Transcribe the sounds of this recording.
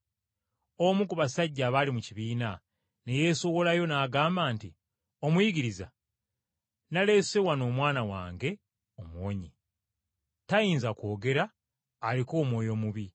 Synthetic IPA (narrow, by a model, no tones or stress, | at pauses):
omukuβasaɟːaːβaːlimuciβiːna | ne̞je̞ːso̞wo̞lajo̞naːɡaːmbaːnti | o̞mwiɡiɾiza | nale̞ːse̞wano̞ːmwaːnawa̰ːŋɡe̞ | omwoːɲi | tajiːnzako̞ːɡe̞ɾaː | liko̞ːmwo̞ːjo̞ːmuβi